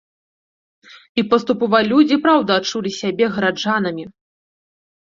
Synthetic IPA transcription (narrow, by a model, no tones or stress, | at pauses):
ipɐst̪upɔvalʲud͡zʲipɾawd̪ɐːt͡ʂulʲisʲabʲɛɣɐɾad͡ʐanɐmʲi